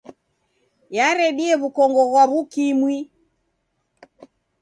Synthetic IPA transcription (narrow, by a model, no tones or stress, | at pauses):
jaɾɛɗiɛβukɔŋɡɔɣwaβukimwi